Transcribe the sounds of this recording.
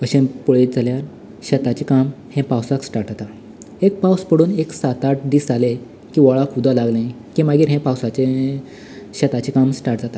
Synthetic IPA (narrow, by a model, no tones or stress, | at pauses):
əɕẽpoɭet̪̚d͡zʱaljaɾ | ɕɛt̪at͡ɕikam | hɛ̃pawsaksʈaɾʈd͡zat̪a | ek̚pawspəɽuːneksat̪aʈ̚d̪iːsale | kiːʋɔɭakud̪ʱalaɡlai | kĩmaɡiːɾɦɛ̃pawsat͡ɕe | ɕɛt̪at͡ɕikamsʈaɾʈ̚d͡zat̪a